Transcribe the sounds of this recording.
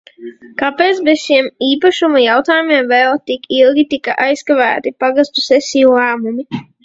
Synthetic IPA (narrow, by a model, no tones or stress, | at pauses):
kapeːt̪sbesʃiɛmiːpaʃumajawt̪aːjumiɛmvɛlˠt̪ikʰilˠɡʲit̪ika̰ʔajskavæ̰ːt̪ipaɡast̪usɛsʲiːulˠæːmumi